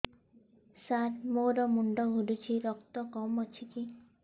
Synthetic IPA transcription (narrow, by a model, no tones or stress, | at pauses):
saɾmoɾɔmuɳɖɔɦuɖut͡ʃʰiɾɔk̚t̪ɔkɔmɔt͡ʃʰiki